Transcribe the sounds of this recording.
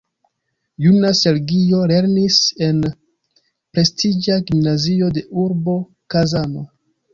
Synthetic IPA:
junase̞lɡio̞le̞ɾnise̞n | pɾe̞stʰid͡ʒaɡimnazio̞de̞ʔuɾbo̞ | kazano̞

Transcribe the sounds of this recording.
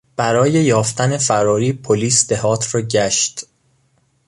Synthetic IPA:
b̥æɾɒːjejɒːft̪æne̞fæɾɒːɾiːpʰoliːsd̪̥ehɒːt̪ʰrɒːɟæʃt̪

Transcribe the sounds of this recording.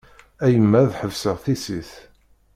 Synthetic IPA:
æjəmːæðħəvsəʁθisiθ

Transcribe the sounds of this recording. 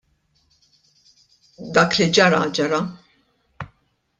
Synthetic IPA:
d̪ɐːklid͡ʒɐɾɐ̰d͡ʒɐɾɐ

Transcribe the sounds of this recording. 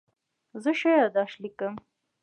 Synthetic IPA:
zəʃejɑd̪ɑʃlikəm

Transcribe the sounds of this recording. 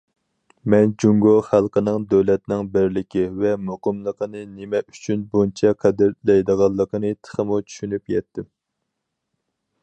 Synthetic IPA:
mɛnd͡ʒuŋɡoχælˠqənɨŋd̪øwlɛt̪nɪŋbɪɾlɪkʲivɛmoqəmlˠəqʰənɨnɪmɛy̥t͡ʃʰynbunt͡ʃʰɛqʰæd̪ɪɾlɛjd̪əʁɑlˠːəqənɨt̪ʰə̥χəmut͡ʃʰy̥ʃynypjɛt̪ːɪm

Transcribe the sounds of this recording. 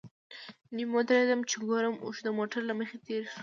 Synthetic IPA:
nimod̪aɾed̪amt͡ʃɪɡoɾəmo̰ʃd̪əmoʈaɾlaməxet̪eɾʃ

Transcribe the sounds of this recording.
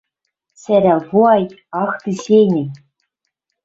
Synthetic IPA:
sʲæɾʲævuɑj | ɑxt̪isʲejnʲɘ̆j

